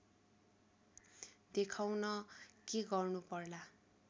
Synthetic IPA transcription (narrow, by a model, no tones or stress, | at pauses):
d̪ekʰawnʌkeɡʌrnupʌrla